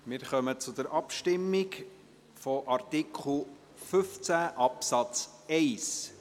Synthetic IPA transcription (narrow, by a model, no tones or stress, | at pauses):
mɪɾχœmət͡sʊd̪əɾʔɑpʃtɪmːɪk | fɔʔɑrt̪ɪkʰχl̩ | fʏft͡sæʔɑpsɑt͡s | ɛɪs